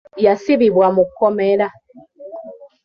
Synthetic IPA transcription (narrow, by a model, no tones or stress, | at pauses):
jasiβiβwamukɔmɛɾa